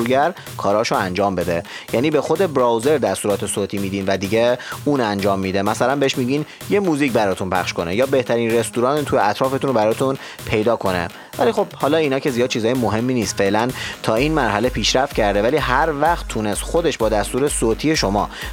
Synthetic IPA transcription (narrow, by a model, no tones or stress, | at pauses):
uɡæɾ | kʰɒːɾɒːʃoænd͡ʒɒːmbe̞d̪ejæːniːbe̞xo̞d̪e̞bɾɒːwze̞ɾd̪æst̪uːɾɒːt̪ʰe̞soːt̪ʰimiːd̪iːnvæd̪iːɟeuːnænd͡ʒɒːmːiːd̪e̞mæsælænbeeʃmiːɟiːn | je̞muːziːcbæɾɒːt̪ʰunpʰæ̰χʃko̞nejɒːbe̞ht̪ʰæɾiːnre̞st̪uːɾɒːnt̪ʰujeæt̪ʰɾɒːfe̞t̪unobæɾɒːt̪ʰun | pʰe̞jd̪ɒːkʰo̞nḛ | væliːxo̞b̚hɒːlɒːinɒːcʰezijɒːd̪̚t͡ʃʰiːzɒːjemoɦe̞mːiːniːst̪fe̞lænt̪ʰɒːiːnmæɾɦæle̞pʰiːʃɾæft̪̚cʰæɾd̪e̞væliːɦæɾvæχt̪ʰːune̞st̪xo̞d̪e̞ʃbɒːd̪æst̪uːɾe̞soːt̪ʰiːje̞ʃo̞mɒ̰ː